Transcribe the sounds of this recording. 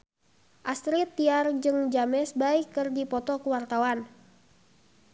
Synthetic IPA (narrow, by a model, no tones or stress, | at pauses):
ʔast̪ɾit̪ːiard͡ʒɨŋd͡ʒamɛsbaikːɨrdipɔt̪ɔkuwart̪awan